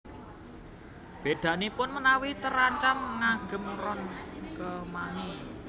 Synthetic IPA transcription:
b̥e̤d̪̥ä̤nipʊnmənawit̪əɾaɲt͡ʃamŋaɡ̥ə̤mrɔnkəmani

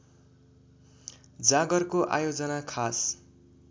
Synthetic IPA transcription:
d͡zaɡʌrkoʔa̰jod͡zʌnakʰas

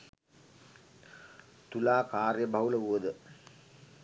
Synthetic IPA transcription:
t̪ulaːkaːrjəbʱɐuləuʋəd̪ə

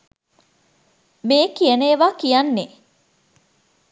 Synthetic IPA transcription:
meːkieneːʋaːkijɐnːe

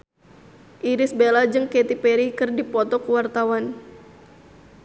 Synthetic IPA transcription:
ʔiɾɪsbelad͡ʒɨŋket̪ipeɾikɨrdipɔt̪ɔkuwart̪awan

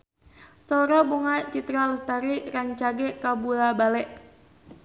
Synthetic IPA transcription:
sɔɾɔbuŋat͡ʃit̪ɾaləst̪aɾiraɲt͡ʃaɡekabulabalɛʔ

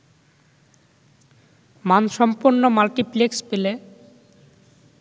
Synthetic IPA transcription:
manʃɔmpuɾnomalʈiplekspele

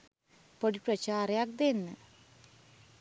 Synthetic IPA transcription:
poɽiprɐt͡ɕaːrjak̚d̪enːɨ

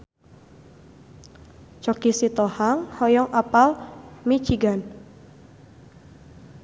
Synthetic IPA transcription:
t͡ʃɔkisit̪ɔhaŋhɔjɔŋʔapalmit͡ʃiɡan

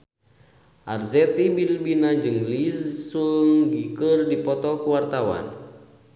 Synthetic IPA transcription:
ʔarzɛt̪ibilbinad͡ʒɨŋlizsuŋɡikərdipɔt̪ɔkuwart̪awa̰n

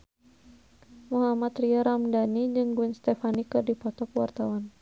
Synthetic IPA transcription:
muɦamat̪riaɾamdanid͡ʒɨŋɡuɛnst̪ɛfanikɨrdipɔt̪ɔkwa̰rt̪awan

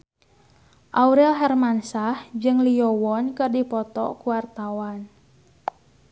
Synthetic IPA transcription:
ʔauɾɛlɦɛrmansahd͡ʒɨŋliɔwɔnkɨrdipɔt̪ɔ̰kuwart̪awan

